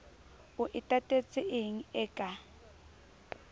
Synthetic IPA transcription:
ʊʔɪtʼatʼet͡sʼɪʔɪŋ̩ɛkʼa

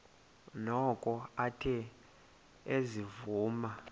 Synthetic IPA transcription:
nɔkʼɔatʰɛ | ezivuːma

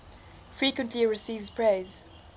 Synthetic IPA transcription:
fɹiːˑkwə̃ntʰliɹɪsiːvzpʰɹ̥eːz̥

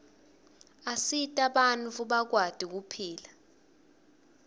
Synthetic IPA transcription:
asitʼaɓant͡fʰuɓak̬wad̥ʱik̬upʰiːla

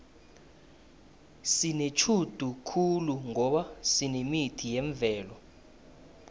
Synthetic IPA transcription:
sinet͡ʃʰud̥ʱukʰuluŋɔɓasinemitʰijɛɱvʱɛːlɔ

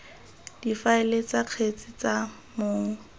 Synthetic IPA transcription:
d̥ifaɪlet͡saq͡χʰet͡sʼɪt͡sa | moːŋ̩

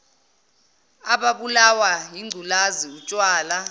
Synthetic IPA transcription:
aɓaɓulawajiŋ͡ǀʱulaziut͡ʃʼwaːla

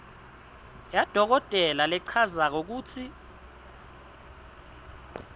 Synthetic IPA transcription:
jad̥ʱɔk̬ɔtʼɛlalɛǀʰazak̬ok̬uːtʰi

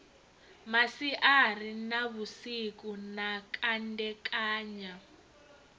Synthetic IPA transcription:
masiʔar̤inaβusik̬unakʰʼandɛkʼaːɲa

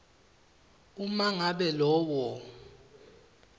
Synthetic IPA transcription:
umaŋaɓɛlɔːwɔ

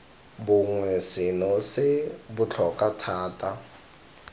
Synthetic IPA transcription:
bʊŋwɛsɪnɔsɪbʊt͡ɬʰɔkʼatʰaːtʼa

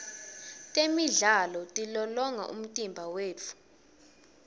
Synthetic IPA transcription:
tʼemiɮalɔtʼilɔlɔŋa̰ʔṵm̩tʼimbʱaweːt͡fʰu̥

